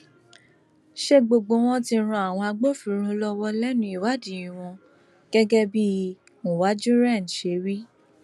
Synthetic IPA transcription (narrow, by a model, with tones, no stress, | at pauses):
ʃe˦ɡ͡bo˧ɡ͡bo˧˦w̃ɔ̃˦tĩ˧ɾ̃ũ˧a˨w̃ɔ̃˧a˧ɡ͡bo˦˨fi˨˦ɾ̃ũ˦lɔ˦wɔ˦lɛ˦nũ˧˦i˦˨wa˨˦dĩ˨ĩ˨w̃ɔ̃˧ | ɡ̥ɛ˦ɡɛ˦bi˦ | mõ˨wa˨˦d͡ʒũ˦ɾɛ̃˦˨ʃe˨˧˦wi˦